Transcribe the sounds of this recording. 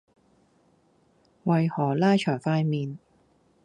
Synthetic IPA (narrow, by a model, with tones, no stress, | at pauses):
wɐ˨jhɔː˨˩laː˥jt͡ʃʰœː˨˩ŋfaː˧jmiː˨˧n